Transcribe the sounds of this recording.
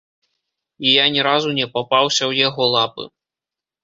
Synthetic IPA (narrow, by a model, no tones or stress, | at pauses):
ijanʲɛɾazunʲɛpapawsʲɐwjaɣɔlˠapɨ̰